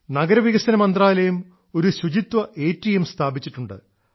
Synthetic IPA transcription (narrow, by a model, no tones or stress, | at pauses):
nɐɡɐɾɐʋiɣɐsɐnɐmɐnd̪raːlɐjum | o̞ɾuɕud͡ʑit̪wɐʔe̞ːtːijemst̪ʰaːbit͡ɕːiʈːuɳɖɨ̰